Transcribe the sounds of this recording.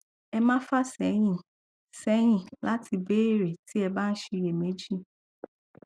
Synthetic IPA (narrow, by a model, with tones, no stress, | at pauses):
ɛ˧mã˦fa˦sɛ˨˦j̃ĩ˦˨ | sɛ˨˦j̃ĩ˦˨la˦tʰi˧beː˦˨ɾe˨tʰi˦ɛ˧ba˦n̩˦ʃi˧je˨me˨˦d͡ʒi˦